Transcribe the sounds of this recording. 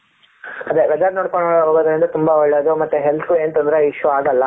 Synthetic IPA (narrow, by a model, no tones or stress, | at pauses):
ɐd̪eʋɛd͡ʒaɾnoːɽkɐɳɐɭɦoːɡod̪ɐɾind̪ɐt̪umbɐɔɭːɐd̪umɐt̪ːuɦelt̪ʰueːnt̪ɐnd̪ɐɾeiʂuaːɡɐlːɐ